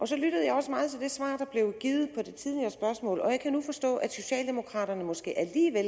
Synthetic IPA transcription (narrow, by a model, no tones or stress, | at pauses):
ʔɒ̽sɒ̽lyɾ̥əð̞̩ˠɑ̈ɪɒ̽smɑ̈ːð̞̩ˠt͡sʰe̝ld̥e̝sʋɑ̰̈ːd̥ɑ̈b̥le̝ʊɡ̥iːð̞̩ˠpʰɒ̽d̥e̝t͡sʰið̞ˠiɐːsb̥ɶɐsmɔ̰̽ːlɒ̽jɑ̈ɪkʰænufɒ̽sd̥ɔ̰̽ːæd̥so̝ɕɛ̰ːld̥e̝mo̝kʰʁɑ̈ːɾ̥ɐnəmɒ̽sɡ̥e̝̰ːʔæliːʋel